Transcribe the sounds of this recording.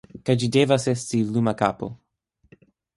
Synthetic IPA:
kajd͡ʒidevasestilumakapo̰

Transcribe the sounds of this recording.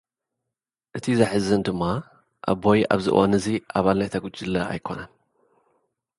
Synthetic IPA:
ʔɨt̪ʰizɐħɨzɨnd̪ɨmːa | ʔa̰βojʔa̰βzɨ̰ʔwʔanɨziʔaβalnajt̪ʰɐɡut͡ʃʼːilːɐa̰jkʰo̞nan

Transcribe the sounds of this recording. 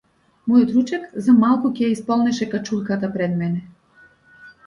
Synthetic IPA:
mɔjɔt̪ɾut͡ʃɛkzamalˠkucɛjaispɔlˠnɛʃɛkat͡ʃulˠkat̪apɾɛd̪mɛnɛ

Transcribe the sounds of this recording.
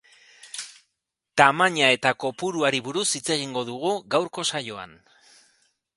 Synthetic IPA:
t̪amaɲae̞t̪ako̞puɾuaɾiβuɾusit͡se̞ɣiŋɡo̞ðuɣ̞uɣawɾko̞sajo̞a̰n

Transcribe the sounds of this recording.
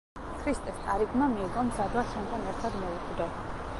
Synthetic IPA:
kʰɾist̪ʼɛst̪ʼaɾiɡmamiːɡɔmzad̪wasʰɔnk̪ʼanɛɾt̪ʰad̪mɔukʼd̪ɛ

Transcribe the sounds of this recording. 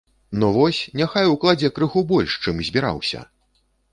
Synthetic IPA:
nɔvɔsʲnʲaxajwklˠad͡zʲɛkɾɨɣubɔlʲʂt͡ʂɨmzʲbʲiɾa̰wsʲɐ̰

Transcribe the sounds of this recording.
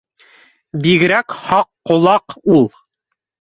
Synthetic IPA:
biɣɘ̆ɾækhɑqːŏlˠɑqulˠ

